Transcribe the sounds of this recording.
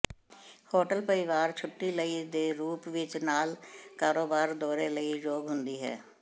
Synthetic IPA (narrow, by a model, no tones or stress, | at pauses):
hoːʈəlpəɾɪʋaːɾt͡ʃʰʊʈːiːləiːd̪eːɾuːpʋɪt͡ʃnaːlkaːɾoːbaːɾd̪ɔːɾeːləiːd͡ʒoːɡɦʊnd̪iːɦɛ̰ː